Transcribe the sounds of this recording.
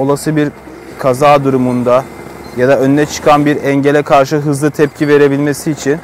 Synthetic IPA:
o̞lˠasɯbiɾ | kʰazaːd̪uɾumund̪a | jad̪aønːɛt͡ʃʰɯ̥kʰanbiɾɛɲɟelʲɛkʰaɾʃɯɦɯzlˠɯt̪ʰɛp̚cʰive̞ɾe̞bilʲmesiːt͡ʃʰin

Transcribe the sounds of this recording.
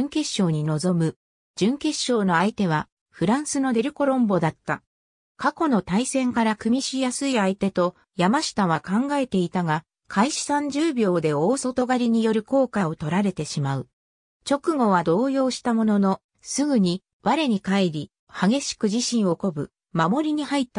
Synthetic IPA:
ŋke̞ɕːo̞ːɲ̟ino̞zo̞mɯ̟ | d͡ʑɨ̃ŋke̞ɕːo̞ːno̞ait̪e̞β̞a | ɸɯ̟ɾãɰ̃sɨno̞d̪e̞ɾɯ̟ko̞ɾõ̞mbo̞d̪at̪ːa | kako̞no̞t̪aisẽ̞ŋkaɾakɯ̟mʲiɕijasɨiait̪e̞t̪o̞ | jamaɕi̥t̪aβ̞akãŋɡae̞t̪e̞it̪aɡa | kʰaiɕi̥sãɲ̟d͡ʑɨːbʲo̞ːd̪e̞o̞ːso̞t̪o̞ɡaɾʲiɲ̟ijo̞ɾɯ̟ko̞ːkao̞t̪o̞ɾaɾe̞t̪e̞ɕimaɯ̟ | t͡ɕo̞kɯ̟ɡo̞βad̪o̞ːjo̞ːɕi̥t̪amo̞no̞no̞ | sɨɡɯ̟ɲ̟i | βaɾe̞ɲ̟ikaiɾʲi | haɡe̞ɕi̥kɯ̟ʑiɕĩɰ̃o̞ko̞bɯ̟ | mamo̞ɾʲiɲ̟ihait̪ːa

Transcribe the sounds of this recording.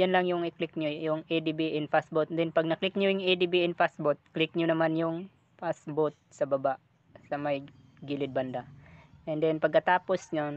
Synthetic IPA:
janlaŋjʊŋɪklɪk̚ɲojʊŋʔed̪ibiʔɛnfasbot̪̚d̪ɛnpɐɡ̚nɐklɪk̚ɲʊjʊŋid̪ibiɛnfasbot̪̚klɪk̚ɲʊnɐmanjʊŋ | fasbot̪̚sɐbɐbaʔ | sɐmɐj | ɡilɪd̪̚bɐnd̪aʔɛnd̪ɛnpɐɡ̚kːɐt̪aːposɲo

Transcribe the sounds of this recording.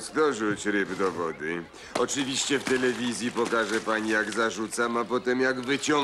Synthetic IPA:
zd̪ɔʐut͡ɕɾɘbd̪ɔvɔd̪ɘ | ɔt͡ʂɨvʲiɕt͡ɕɛft̪ɛlɛvʲizʲjipɔkaʐɛpaɲijaɡzaʐut̪samapɔt̪ɛmjaɡvɘt͡ɕɔ

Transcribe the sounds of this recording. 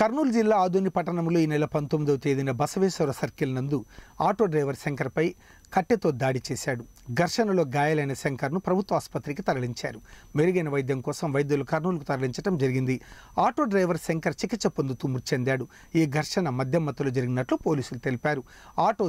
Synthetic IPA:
kɐɾnuːld͡ʒilːaːaːd̪oːnipɐʈːɐɳɐmloːiːnɛlɐpɐnt̪omːid̪ɐːt̪eːd̪inɐbɐsɐʋiːʃɐɾɐsɐɾkilnɐnd̪uaːʈoːɖɾɐjʋɐɾseŋkɐɾpɐj | kɐʈːet̪o̞ːd̪aːɽit͡ʃɛːsaːɽu | ɡʱɐɾʂɐnɐlo̞ːɡaːjɐlɐjnɐseŋkɐɾnupɾɐbʱut̪ʋɐːspɐt̪ːɾik̬it̪ɐɾɐliɲt͡ʃa̰ːɾumeɾuɡɐjnɐʋɐjɐd̪jɐmkɔːsɐmʋɐjɐd̪jɐlukɐɾnuːlɐk̬ut̪ɐɾɐliɲt͡ʃɐʈɐmd͡ʒɐɾiɡind̪i | aːʈo̞ːɖɾɐjʋɐɾseŋkɐɾt͡ʃikit͡ʃːɐpond̪ut̪umbuɾt͡ʃend̪aːɽu | iːɡʱɐɾʂɐnɐmɐd̪ʱjɐmːɐt̪ːɐloːd͡ʒɐɾiɡinɐʈlupo̞ːliːsulut̪elipaːɾu | aːʈoː

